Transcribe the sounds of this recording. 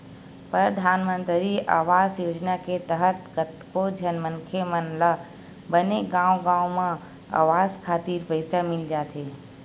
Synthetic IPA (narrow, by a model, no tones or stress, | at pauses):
pɾəɾd̪ʱaːnmə̃nt̪ɾiaːʋaːzjoːd͡ʒnaket̪əɦət̪kət̪kod͡ʒʱənmənkʰemənlə | bəneɡãːwɡãːwmã | a̰ːʋaːzkʰaːt̪iːɾpəɪsamɪld͡ʒaːt̪ɦeː